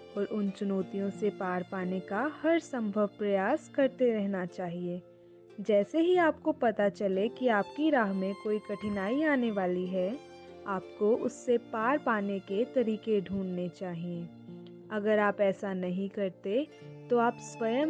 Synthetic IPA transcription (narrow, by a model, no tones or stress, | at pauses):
ɔːɾʔʊnt͡ʃʊnɔːt̪ijõsepaːɾpaːnekahɐɾsɐ̃mbʱəʋpɾɐjaːskɐɾt̪eɾɛɦnat͡ʃaːɦieː | d͡ʒɛːseɦiaːp̚kopɐt̪at͡ʃɐlekiaːp̚kiɾaːɦmẽkoːikɐʈʰɪnaːiaːneʋaːliɦɛː | aːp̚koʔʊsːepaːɾpaːneket̪ɐɾiːkeɖʱũːnnet͡ʃaːɦiẽː | ɐɡəɾaːpɛːsanɐɦĩkɐɾt̪e | t̪oaːpswɐjəm